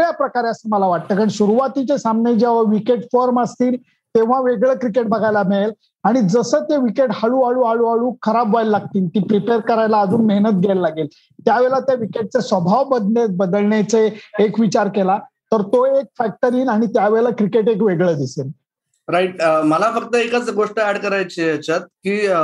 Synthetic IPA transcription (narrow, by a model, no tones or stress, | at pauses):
ɭjapɾəkaɾeəsəːməlaʋaʈ̚t̪əːkəɳsuɾuʋat̪it͡ɕesamned͡ʑeʋ̤aʋikeʈfɔɾməst̪iːl | t̪eʋ̤aʋeɡɭəːkɾikeʈ̚bəɡʱajlameel | aɽ̃id͡zəsəːt̪eʋikeʈhaɭuːaɭuːaɭuːaɭuːkʰəɾabʋajlːaɡ̚t̪iːlt̪iːpɾipeɾkəɾajlaːd͡zuːnmeɦnət̪̚ɡʱajllaɡel | t̪jaʋeɭat̪jaʋikeʈ̚t͡sesʋəbʱaʋbəd̪ɳet̪bəd̪əlɳat͡seːkʋit͡ɕaɾkela | t̪əɾt̪oek̚fæk̚ʈəɾiːnaɽ̃it̪jaʋeɭakɾikeʈekʋeɡɭəd̪isel | ɾaiʈməlafək̚t̪əekət͡sɡoʂʈəɛɽkəɾajt͡ɕeət͡ɕat̪̚kiː